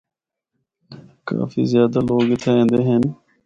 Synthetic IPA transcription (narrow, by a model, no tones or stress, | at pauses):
ka̰ːfḭːzjaːd̪aːloːɡɪt̪ʰaẽːnd̪eːɦen